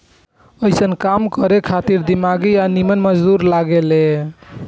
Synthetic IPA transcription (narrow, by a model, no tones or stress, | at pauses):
əɪsənkamkəɾekʰat̪iɾd̪imaɡianimənməd͡ʒd̪uɾlaɡele